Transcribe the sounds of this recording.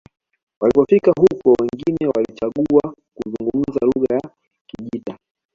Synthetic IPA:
walipɔfikaɦukɔwɛŋɡinɛwalit͡ʃaɠuakuzuŋɡum̩zaluɣaja | kiʄita

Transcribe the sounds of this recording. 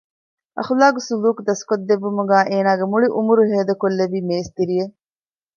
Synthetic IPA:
ʔɐ̰xulaːɡusuluːkd̪ɐskod̪ːeʋumuɡæːʔeːnaːɡemuɭiʔumuɾuɦeːd̪ɐkolːeʋiːmeːst̪iɾije

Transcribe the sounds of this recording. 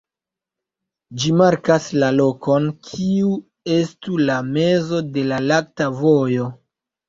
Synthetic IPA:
d͡ʒimaɾkaslalo̞ko̞nkʰiu | e̞stulame̞zode̞lalak̚tavo̞jo̞

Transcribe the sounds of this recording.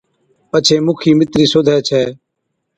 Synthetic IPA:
pət͡ʃʰeːmʊkʰiːmɪt̪ɾiːsoːd̪ʱɛːt͡ʃʰɛː

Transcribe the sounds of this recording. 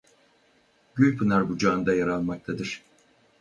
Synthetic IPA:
ɟ̥ylʲpʰɯnaɾbud͡ʒand̪ajaɾalˠmak̚t̪ʰad̪ɯɾ̥

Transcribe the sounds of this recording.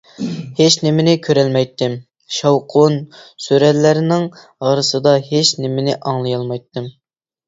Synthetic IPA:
het͡ʃnɪmɪnɪkʲʰøɾɛlmɛjt̪ʰːɪm | ʃɑwqʰonsyɾɛt̪læɾɪnɪŋ | ʁɑɾɨsɨd̪ɑɦet͡ʃnɪmɪnɪʔɑŋlˠɨjɑlˠmɑjt̪ʰːɨm

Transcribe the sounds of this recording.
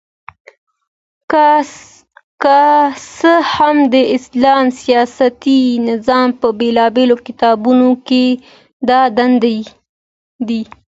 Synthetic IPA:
kasəhamd̪əɪslɑmsijɑsat̪inɪzɑmpəbelɑbelokɪt̪ɑbunoke | d̪ɑd̪and̪a | d̪i

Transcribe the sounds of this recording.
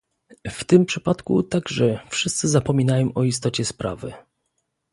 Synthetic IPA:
ft̪ɘmpʂɘpat̪kṵt̪aɡʐɛfʂɘst̪sɘzapɔmʲinajɔ̃w̃ʔɔist̪ɔt͡ɕɛspɾa̰vɘ̰

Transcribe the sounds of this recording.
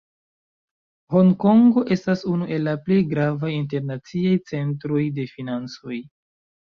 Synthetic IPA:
ho̞ŋko̞ŋɡo̞ʔe̞stasunuʔe̞lːaple̞jɡɾavajint̬e̞ɾnat͡siajt͡se̞ntɾo̞jde̞finant͡so̞j

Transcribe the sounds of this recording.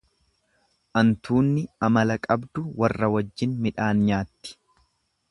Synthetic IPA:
ʔɐnt̪uːnːɪɐmɐlɐkʼɐbd̪ʊwɐrːɐwɐd͡ʒːɪnmɪᶑaːnɲaːt̪ːɪ̥

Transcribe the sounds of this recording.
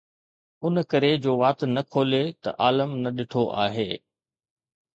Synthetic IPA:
ʊnkɐɾed͡ʑoːʋaːt̪nɐkʰoːlet̪ɐ̰ʔaːləmnɐɗɪʈʰoʔa̰ːɦeː

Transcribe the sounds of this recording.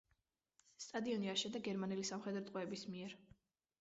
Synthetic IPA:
st̪ʼad̪iɔniaʃɛd̪aɡɛɾmanɛlisamχɛd̪ɾɔt̪ʼqʼwɛːbismiɛɾ

